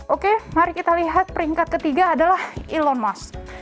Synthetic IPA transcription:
ʔokemaɾikit̪aliɦat̪̚pəɾiŋkat̪̚kət̪iɡaːdalahilɔnmas

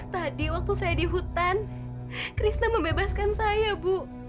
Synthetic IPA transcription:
t̪adiwak̚t̪usajadiɦut̪an | kɾisnaməmbebaskansajabu

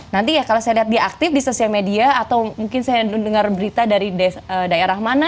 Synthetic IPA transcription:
nant̪ijakalosajaliɦat̪̚diaak̚t̪ɪfdisosialmediaːt̪awmuŋkɪnsajadəŋarbəɾit̪adaɾidaədaeɾahmana

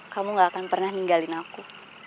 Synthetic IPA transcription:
kamuŋɡaːkanpərnahniŋɡalinaku

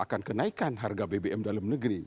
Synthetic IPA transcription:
ʔakankənaikanɦarɡabebeʔɛmdalamnəɡɾi

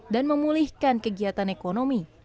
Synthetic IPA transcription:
danməmulihkankəɡiat̪anekonomi

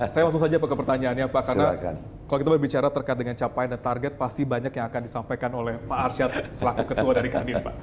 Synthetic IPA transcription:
sajamasʊksad͡ʒapakəpərt̪aɲaːnjapakanaa̰n | kalokit̪abərbit͡ʃaɾat̪ərkajt̪̚dəŋant͡ʃapajndant̪arɡɛt̪̚past̪ibaɲakjaŋakandisampajkanolɛhpaːrsat̪̚səlakukət̪uadaɾikadinpa̰ʔ

